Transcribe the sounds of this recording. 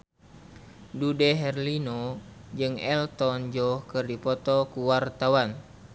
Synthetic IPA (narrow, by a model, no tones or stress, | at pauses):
dudɛɦɛrlinɔ | d͡ʒɨŋɛlt̪ɔnd͡ʒɔhkɨrdipɔt̪ɔkuwart̪awan